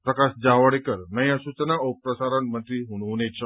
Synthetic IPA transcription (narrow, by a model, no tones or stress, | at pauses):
pɾəkasd͡ʑaʋəɽekəɾnəjãsut͡ɕənaəpɾəsaɾəɳmənt̪ɾiːɦuɽunet͡ɕʰə